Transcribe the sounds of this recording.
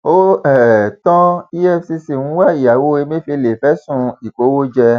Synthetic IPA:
o˦ɛ˨tɔ̃˦i˦ɛ˦fsi˧si˨ŋũ˨˦wa˦˨i˨ja˨wo˧˦e˧mẽ˦fe˧le˨fɛ˨˦sũ˦˧i˨ko˨˦wo˦d͡ʒɛ˧

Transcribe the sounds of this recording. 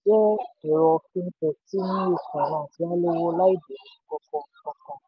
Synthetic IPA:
d͡ʒɛ˦ɛ˨ɾɔ˧fĩ˧˦tɛ˧˨ti˦nĩ˦e˧˨kã˨nã˨ti˨˦a˦le˦˧wo˦la˦i˦˨de˨ĩ˨˦kɔ˧kɔ̃˧˦˧kɔ̃˧˦kɔ̃˧

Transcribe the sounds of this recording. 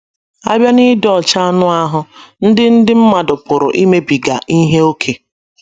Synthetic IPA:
a˦bja˦nɪ˦dɔ˦˨t͡ʃa˦nʊ˦a˦ɦʊ˦n̩˦dɪ˦n̩˦dɪ˦m̩˦ma˨dʊ˨pʊ˨ɾʊ̰˨ʔi˦me˦bi˨ɡa̰˨ʔi˦ɦe˦o˦kʰe˨

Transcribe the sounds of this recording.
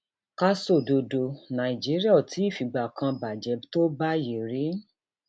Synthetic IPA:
ka˧so˦˨do˨do˨nã˨i˨d͡ʒi˨˦ɾi˦a˦˨ti˨˦i˦˨fi˨ɡ͡ba˨kã˧ba˨d͡ʒɛ˨˦to˦ba˦je˨ɾi˨˦

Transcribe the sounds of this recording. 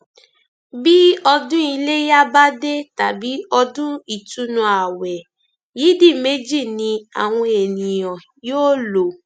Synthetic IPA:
bi˦ɔ˧dũ˦i˧le˦ja˦ba˦de˦ta˨bi˨˦ɔ˧dũ˦i˦˨tu˨˦nũ˧˦a˨wɛ˨ | ji˨˦di˦˨me˦d͡ʒi˦˨nĩ˧a̰˨w̃ɔ̃˧e˨nĩ˨jɔ̃˨ | joː˦lo˨

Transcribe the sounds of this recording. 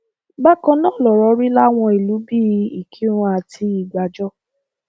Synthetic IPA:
ɡ͡ba˦kɔ̃˧nɔ̃˦˨lɔ˨ɾɔ˨˦ɾi˦la˦w̃ɔ̃˧i˨lu˨˦bi˦˨˧i˨kʰi˨˦ɾ̃ũ˧a˨tʰi˧i˨ɡ͡ba˨d͡ʒɔ˦

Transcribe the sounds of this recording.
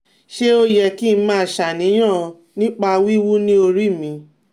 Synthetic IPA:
ʃe˦o˦jɛ˧ki˦n˦mãː˦˧˨ʃa˨nĩ˨˦j̃ã˦˨˧ | nĩ˦k͡pa˧wi˦wu˦nĩ˦o˧ɾi˦˨mĩ˧

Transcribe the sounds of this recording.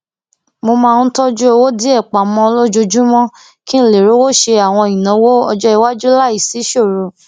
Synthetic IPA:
mo˧mãː˧˦tɔ˦d͡ʒu˦o˧wo˦di˨˦ɛ˦˨k͡pa˨mɔ̃˦lo˦d͡ʒo˧d͡ʒu˦mɔ̃˦ | kĩ˦˨le˨ɾo˨˦wo˦˨ʃe˧a˨w̃ɔ̃˧˨ĩ˨nã˨˦wo˦ɔ˧d͡ʒɔ˦i˧wa˦d͡ʒu˦la˦˨i˦˨si˨˦ʃo˦˨ɾo˨

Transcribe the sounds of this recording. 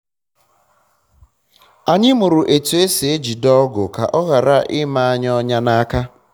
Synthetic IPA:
a˨ɲɪ˦mʊ˨ɾʊ˨ʔe˨tu˨e˦se˨e˦d͡ʒi˨dɔ˦ɡʊ̰˨ka̰˨ʔɔ˦ɣa˨ɾa˦ʔɪ˦ma˦a˦ɲ˦ɔ˦ɲa˦na˦ka˦

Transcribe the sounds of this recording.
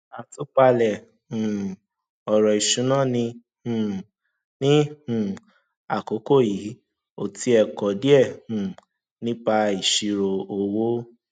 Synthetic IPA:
a˨tu˨˦k͡pa˧lɛ˨ | hũ˨ | ɔ˨ɾɔ˨i˨ʃũ˨˦nã˦˨nĩ˧˨ | nĩ˦hũ˨ | a˨ko˨˦ko˦˨ji˨˦ | o˦˨ti˧˦ɛ˧kɔ˨di˦ɛ˦˨hũ˨ | nĩ˦k͡pa˧i˨ʃi˧ɾo˧o˨wo˦

